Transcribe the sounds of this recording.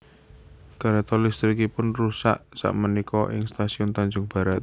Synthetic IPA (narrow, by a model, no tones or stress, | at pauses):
kaɾat̪ɔrlist̪ɾikipʊnrusa̰ʔsa̰ʔmənikɔʔɪ̰ŋst̪asiɔnt̪aɲd͡ʒʊŋb̥a̤ɾat̪̚